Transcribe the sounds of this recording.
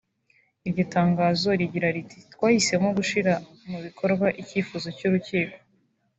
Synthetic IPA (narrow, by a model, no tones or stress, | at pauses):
iɾɟotaːŋɡaːzo̞ɾiɟiɾaɾiti̥tkwaːhise̞moɡuʃiɾa | muβikʰo̞ɾɡwaʔiciːfuzo̞cuɾuciːko̥